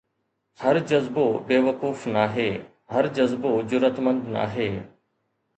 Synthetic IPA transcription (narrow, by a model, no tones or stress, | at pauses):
həɾd͡ʒəzboːbeːʋəkuːfnaːɦeː | həɾd͡ʒəzboːzʊɾət̪mə̃nd̪na̰ːɦeː